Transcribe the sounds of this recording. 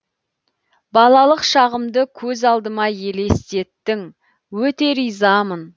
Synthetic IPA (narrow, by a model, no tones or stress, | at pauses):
bɑlˠɑlˠəqʃɑʁəmd̪əkʲʰɵzɑlˠd̪əmɑje̞le̞st̪e̞t̪ːɪŋ | wɵt̪e̞ɾijzɑmən